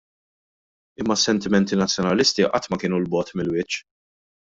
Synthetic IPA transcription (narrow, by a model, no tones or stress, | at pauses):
ɪmːɐsːɛnt̪ɪmɛnt̪inɐt͡sːjɔnɐlɪst̪iʔɐ̰t̪ːmɐkɪːnulbɔːt̪mɪlwɪt͡ʃː